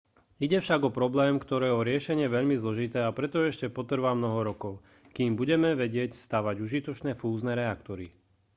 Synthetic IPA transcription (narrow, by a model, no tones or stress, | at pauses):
iɟɛfʃaɡɔpɾɔblɛːmkt̪ɔɾɛːɛɔɾɪɛʃɛɲɪɛʋɛʎmizlɔʒit̪ɛːapɾɛt̪ɔɛʃcɛpɔt̪r̩ʋamnɔɦɔɾɔkɔʊ | kiːmbuɟɛmɛʋɛɟɪɛcst̪aːʋaɟuʒit̪ɔt͡ʃnɛːfuːznɛːɾɛakt̪ɔɾi